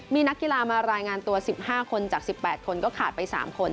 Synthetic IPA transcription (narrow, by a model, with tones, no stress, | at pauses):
miː˧na˦˥kːi˨˧˨laː˧maː˧ɾaː˧jŋaː˧nt̪u˧ɐsi˨˩p̚haː˥˩kʰo˧nt͡ɕaː˨˩k̚si˨˩pːɛː˨˩t̪̚kʰo˧nkɔː˥˩kʰaː˨˩t̪̚pa˧jsa̰ː˩˦mkʰo˧n